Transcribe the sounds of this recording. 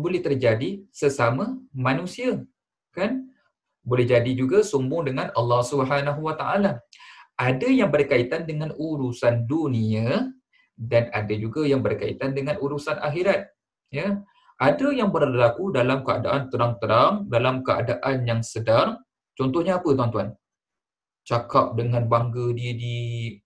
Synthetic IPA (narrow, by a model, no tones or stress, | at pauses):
bolɛht̪ərd͡ʒadisəsamamãnũsia | kan | bolɛhd͡ʒadid͡ʒuɡasumbʊŋdəŋanəlːɑhsubəɦanaɦuwat̪aʔalaadajaŋbərkait̪andəŋanuɾusandunia | danadad͡ʒuɡajaŋbərkaḭt̪andəŋãnuɾusanʔa̰xiɾat̪̚ | ja | ʔadajaŋbərlakudalamkəa̰da̰ʔant̪əɾaŋt̪əɾaŋdalamkəa̰daʔanjaŋsədar | t͡ʃɔnt̪ʊhɲaapət̪uwant̪uan | t͡ʃakap̚dəŋãnbaŋɡədiədi